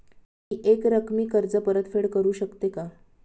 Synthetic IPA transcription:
miːʔekɾəkʰmiːkəɾd͡zəpəɾət̪feɽkəɾuːɕəkt̪eka

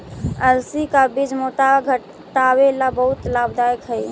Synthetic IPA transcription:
əlsikabid͡ʒmotaɡʱə | ʈawelabəɦut̪labd̪ajkɦəj

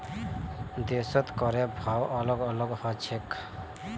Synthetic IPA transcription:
d̪esɔt̪kɔɾɛbʱawʔɔlɔɡɔlɔɡhɔt͡ʃʰek

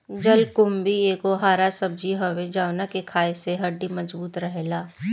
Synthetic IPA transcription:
d͡ʒɐlkʊmbieːkoɦaːɾasɐb̚d͡ʒiɦɐʋed͡ʒaːwnakekʰaːeseɦɐɖːimɐd͡ʒbuːt̪ɾɐɦelaː

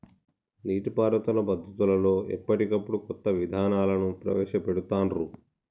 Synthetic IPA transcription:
niːʈipaːɾɐt̪ulɐbɐd̪ʱːut̪ulɐlo̞ːɛ̰pːɐʈikɐpːuɽukɔt̪ːɐʋid̪ʱaːnaːlɐnupɾɐ̰ʋɛːʃɐpeɽut̪aːnɾu

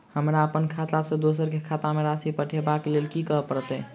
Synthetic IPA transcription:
həmɾaəpənkʰat̪asẽd̪osəɾkekʰat̪ameɾasipəʈʰebaklelkikəɦpəɾt̪ɛ

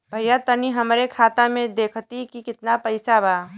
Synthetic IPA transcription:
bʱəjat̪əniɦəmɾekʰaːt̪amẽd̪eːkʰt̪ikikɪt̪napəɪsabaː

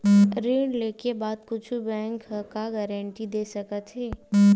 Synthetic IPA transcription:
ɾeːɖleːkebaːd̪kʊt͡ʃʰubɛ̃ːŋkkaɡɛːɾə̃ɳʈid̪eːsɐkət̪ɦɛː

